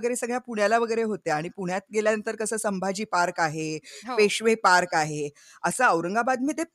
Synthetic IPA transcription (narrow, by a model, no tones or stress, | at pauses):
ɡəjɾesəɡɭjapuɳ̤jalaʋəɡəjɾeɦot̪eaɽ̃ipuɳ̤jat̪̚ɡeljanənt̪əɾkəsəsəmbʱad͡ʑiːpaɾkaɦepeɕʋepaɾkaɦe | əsəəwɾəŋɡabad̪məd̪ʱje